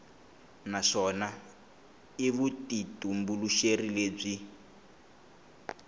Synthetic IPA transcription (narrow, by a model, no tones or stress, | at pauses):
naʂɔna | iβutitumbuluʃerileːb͡ʐi